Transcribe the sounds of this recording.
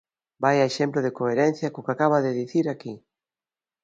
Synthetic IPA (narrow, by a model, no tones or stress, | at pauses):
bajaeʃemplʊðekoeɾen̟θjɐkokakaβaðeðiθiɾaki